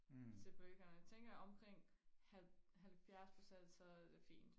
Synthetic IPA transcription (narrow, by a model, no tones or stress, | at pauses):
se̝pʰɒeɡ̥ɐnjt͡sʰeŋ̰ɡ̥ɐɒ̽mkʰʁeŋ̰hæɦælfjæɐspʰʁo̝sen̰d̥sɒ̽æd̥e̝fḭːnd̥